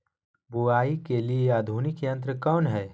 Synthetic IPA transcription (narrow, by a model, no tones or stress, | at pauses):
buaːikelieaːd̪ʱuːnɪkjɐ̃nt̪ɾəkɔːnɦɛː